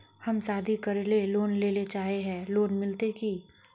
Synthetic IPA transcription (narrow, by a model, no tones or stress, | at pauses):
hɐmsaːd̪ʱikɐɾleloːnleːlet͡ʃaːɦeɦɛ̃ːloːnmɪlt̪eki